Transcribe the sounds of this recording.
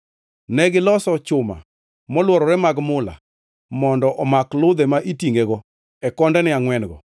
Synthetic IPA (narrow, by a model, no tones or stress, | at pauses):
nɛɡɪlɔsɔt͡ʃʊma̰ | mɔlwɔɾɔɾɛmaɡmʊla̰ | mɔndɔʔɔmaklʊd̪ɛmaʔitiŋɡeɡɔ | ɛkɔndɛnɪaŋwɛnɡɔ